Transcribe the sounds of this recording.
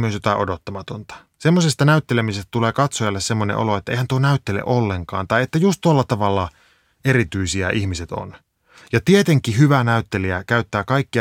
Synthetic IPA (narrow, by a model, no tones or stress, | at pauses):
myøsjot̪ɑiʔodot̪ːɑmɑt̪ont̪ɑ̥ | semːosest̪ɑnæyt̪ːelemisest̪æt̪uleːkɑt̪sojɑlːessemːonḛʔo̰loet̪ːæeihænt̪uonæyt̪ːelḛʔolːeŋkɑ̰ːnt̪ɑijet̪ːæjust̪t̪uolːɑt̪ɑʋɑlːɑ | eɾit̪yisiæʔihmiset̪o̰n | jɑt̪iet̪eŋkiɦyʋænæyt̪ːeliækæyt̪ːæːkɑikːi